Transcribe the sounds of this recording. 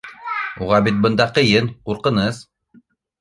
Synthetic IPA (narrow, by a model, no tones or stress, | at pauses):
uʁɑbit̪̚bɤ̆nd̪ɑqɤ̆jɘnquɾqɤ̆nɤz